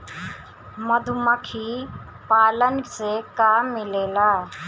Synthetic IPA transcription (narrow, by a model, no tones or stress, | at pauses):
məd̪ʱməkʰi | paːlənsekaːmːɪleːlaː